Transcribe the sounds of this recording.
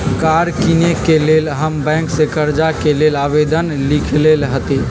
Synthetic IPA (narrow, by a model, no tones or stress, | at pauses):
kaɾkinekelelɦəmbɛ̃ŋksekəɾd͡ʒakelelabed̪ənlikʰlelɦət̪i